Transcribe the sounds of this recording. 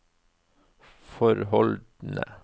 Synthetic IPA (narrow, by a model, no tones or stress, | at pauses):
fɔɾhɔld̪n̩ə̰